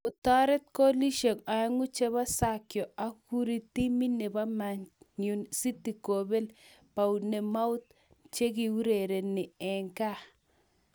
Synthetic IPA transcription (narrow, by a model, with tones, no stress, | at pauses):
ʊ˨ta˦ɾɛ˦t̪̚kɔ˦li˦ʃe˨ka˨ɛ˦ŋu˦t͡ʃe˦βa˦sa˨kjɔ˨a˨ku˦ɾi˦t̪i˦mi˦ne˨ba˦ma˨ | ɲu˨nsi˦ti˨ko˨be˦lpa˨u˨ne˨ma˦ʊ˦t̪̚ | t͡ʃe˦ki˨u˦ɾe˨ɾe˨nɪ˨ɛ˨ŋka˦